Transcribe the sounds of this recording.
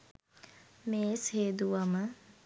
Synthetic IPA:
meːsheːd̪uʋamə

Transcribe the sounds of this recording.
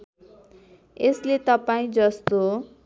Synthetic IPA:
eslet̪ʌpaĩd͡zʌst̪o

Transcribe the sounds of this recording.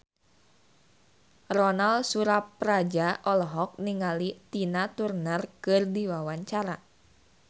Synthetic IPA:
rɔnalsuɾapːɾad͡ʒaʔɔlɔɦɔk̚niŋalit̪inat̪urnarkɨrdiwawaɲt͡ʃaɾa

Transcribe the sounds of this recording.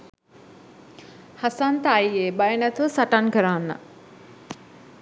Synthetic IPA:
hasant̪aːjeːbajənæt̪uʋəsaʈankəɾanːə̰

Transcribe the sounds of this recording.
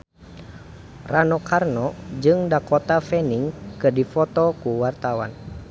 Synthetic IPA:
ranɔkʰarnɔd͡ʒɨŋdakɔt̪afɛniŋkədifɔt̪ɔkuwart̪awa̰n

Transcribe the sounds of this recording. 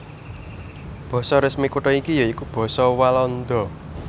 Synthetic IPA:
b̥ɔ̤sɔɾɪsmikuʈɔikijɔikub̥ɔ̤sɔwalɔnd̪ɔ

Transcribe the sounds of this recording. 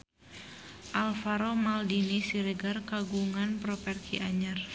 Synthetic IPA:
ʔalfaɾomaldinisiɾɛɡarkaɡuŋanpɾɔpɛrkiʔaɲar

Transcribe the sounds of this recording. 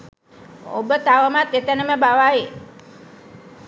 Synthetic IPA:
o̰bət̪aʋəmat̪et̪ənəməbaʋaje

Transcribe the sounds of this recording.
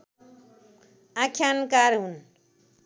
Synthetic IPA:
akʰjankaɾɦun

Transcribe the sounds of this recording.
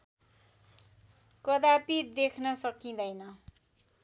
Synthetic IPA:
kʌd̪apid̪ekʰnʌsʌkĩd̪ʌjnʌ

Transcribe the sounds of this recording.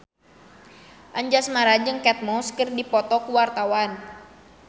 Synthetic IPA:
ʔaɲd͡ʒasmaɾad͡ʒɨŋkɛt̪̚mɔskərdipɔt̪ɔkuwart̪awan

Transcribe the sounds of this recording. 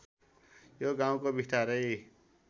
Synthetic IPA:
joɡãũkobʱiʈaɾəi

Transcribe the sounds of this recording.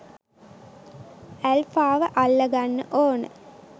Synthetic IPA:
ælfaːʋəʔalːɐɡanːə̰ʔoːnə̰

